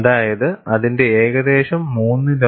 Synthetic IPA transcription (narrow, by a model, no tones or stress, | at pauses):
ðaːjɐðɨɐðinde̞eːɣɐðe̞ːɕɐmːuːnːɨlɐ